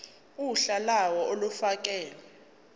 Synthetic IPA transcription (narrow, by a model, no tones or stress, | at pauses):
uɬalawɔolufak̬ʼɛːlɛ